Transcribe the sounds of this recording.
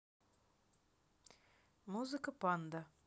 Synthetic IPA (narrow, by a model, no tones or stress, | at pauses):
muzɨkəpand̪ə